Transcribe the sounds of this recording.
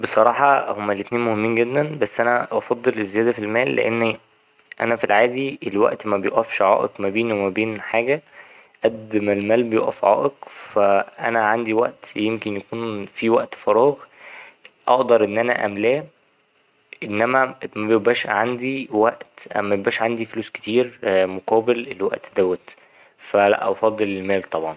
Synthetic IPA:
besˤɑɾˤɑːħɑhomːælːet̪neːnmohemːiːnɡed̪ːænbæsːʔænæʔɑfɑd̪ˤːelezːejæːd̪æfilmæːlːḛʔenː | ʔæ̰næfilʕaːd̪ielwæ̰ʔt̪mæbejoʔæfʃʕɑ̰ːʔekmæbeːnwemæbeːnħaːɡæ | ʔæd̪ːmelmæːlbejoʔæ̰fʕɑ̰ːʔekfæʔænæʕand̪iwæ̰ʔt̪jemkenjækuːnfiwæʔt̪fɑɾˤɑːɣ | ʔɑ̰ʔd̪ɑɾˤʔenːʔænæ̰ʔæ̰mlæː | ʔenːæmæmæbejebæːʃʕand̪iwæʔt̪mæebæːʃʕand̪ifluːske̥t̪iːɾmoqæːbelelwæ̰ʔt̪d̪æwæt̪ | fælæ̰ʔʔɑfɑd̪ˤːelelmæːlt̪ˤɑbʕɑn

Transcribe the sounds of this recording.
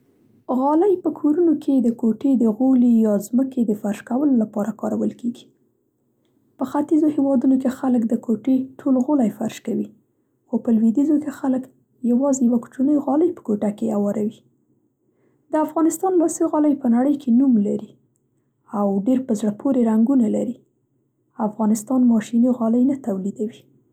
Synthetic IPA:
ɣɑləjpəkʰoɾunokʰed̪əkoʈed̪əɣolijɑzməkʰed̪əfaɾʃkawəlolapɑɾakɑɾawəlkeɡi̥ | pəxat̪izohewɑd̪unok̬exaləkd̪əkʰoʈeʈʰolɣʊlajfaɾʃkawi | xopəlwed̪izokexalək | jawɑzejawaku̥t͡ʃunəjɣɑləjpə̥koʈakeawɑɾawi | d̪̥əafɣɑnɪst̪ɑnlɑsiɣɑləjpənaɽəjkʰenumlaɾi | awɖeɾpəzɽəpʰoɾeɾaŋɡunalaɾi | afɣɑnɪst̪ɑnmɑʃinoɣɑləjnat̪awlid̪awi

